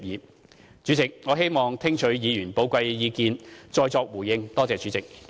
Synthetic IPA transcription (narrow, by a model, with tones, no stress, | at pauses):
jiː˨˧ | t͡ʃy˨˥t͡sɪ˨k̚ŋɔː˨˧ɦe˥jmɔː˨ŋt̪ʰɪ˥ŋt͡ʃʰɵ˨˥ɥjiː˨˧jyː˨˩npo˨˧˥wkʷɐ˧jːiː˨˧kiː˧nt͡ʃɔː˧jt͡sɔː˧k̚wuː˨˩jɪ˧ŋt̪ɔː˥t͡sɛː˨˧t͡ʃyː˨˥t͡sɪ˨k̚